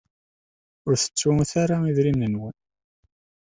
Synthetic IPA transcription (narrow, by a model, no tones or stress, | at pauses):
ʊɾθə̥t͡sːuθaɾaiðɾimːənwən